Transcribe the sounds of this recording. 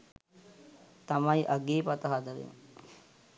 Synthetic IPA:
t̪amajʔaɡeːpat̪ɐɦad̪əɾḛŋ

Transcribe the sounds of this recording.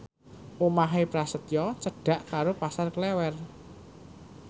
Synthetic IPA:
ʔomaɦepɾasət̪jɔt͡ʃəɖ̥ä̤ʔkaɾopasarklɛwɛr

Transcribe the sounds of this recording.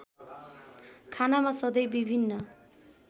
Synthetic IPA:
kʰanamasʌd̪ʌjbibʱinːʌ

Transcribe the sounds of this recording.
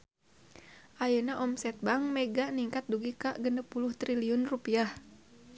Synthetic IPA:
ʔajənaʔɔmsɛt̪̚baŋmɛɡaniŋkat̪̚duɡikaʔɡənəpulʊht̪ɾiliɔnrupiah

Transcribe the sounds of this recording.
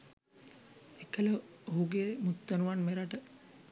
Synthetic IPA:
ekələoɦuɡeːmut̪ːənuʋanmeɾaʈə

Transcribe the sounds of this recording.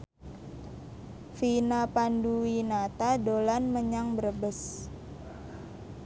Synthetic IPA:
finapanduwinat̪adolanməɲaŋbəɾəbəs

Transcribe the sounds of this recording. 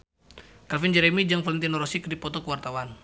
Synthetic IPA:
kafind͡ʒɛɾɛmid͡ʒaŋfalint̪inɔɾɔsikdipɔt̪ɔkəwart̪awan

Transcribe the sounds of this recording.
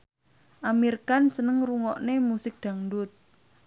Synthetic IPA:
ʔamirkansənəŋruŋɔʔnemusɪk̚d̪̥a̤ŋdʊt̪̚

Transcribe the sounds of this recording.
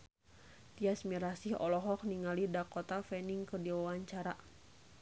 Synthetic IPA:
t̪iasmiɾasihɔlɔɦɔk̚niŋalidakɔt̪afɛniŋkɨrdiwawaɲt͡ʃaɾa

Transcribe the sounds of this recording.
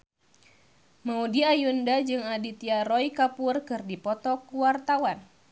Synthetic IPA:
maudiajundad͡ʒɨŋadit̪iaɾɔikapurkɨrdipɔt̪ɔkuwart̪awan

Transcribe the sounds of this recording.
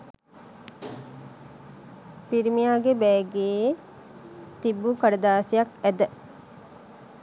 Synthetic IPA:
piɾimijaːɡebɛːɡeː | t̪ibːukaɖɐd̪aːsijɐkæd̪ə

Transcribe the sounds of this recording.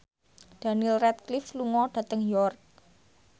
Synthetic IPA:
d̪̥a̤nilrɛt̪̚klifluŋɔɖ̥ä̤t̪əŋjɔrk̚

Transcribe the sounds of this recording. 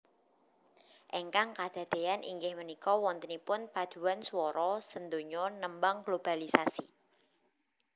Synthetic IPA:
ʔeŋkaŋkad̪̥a̤d̪̥e̤anʔḭŋɡɪhmənikɔwɔnt̪ənipʊnpḁd̪̥ṳanswɔɾɔsənd̪oɲɔnəmbaŋɡlob̥alisasi

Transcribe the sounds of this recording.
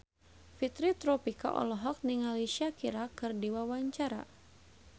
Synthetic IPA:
fit̪ɾit̪ɾɔpika̰ʔɔ̰lɔɦɔk̚niŋalisiakiɾakɨrdiwawaɲt͡ʃaɾa̰

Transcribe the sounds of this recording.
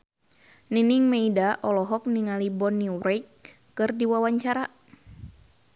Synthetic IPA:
niniŋmeidaʔɔlɔɦɔk̚niŋalibɔnːiwɾɛkː | ɨrdiwawaɲt͡ʃaɾa

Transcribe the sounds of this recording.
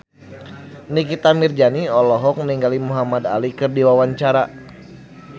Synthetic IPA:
nikit̪amird͡ʒaniɔlɔɦɔk̚niŋɡalimuɦamada̰likɨrdiwawaɲt͡ʃaɾa

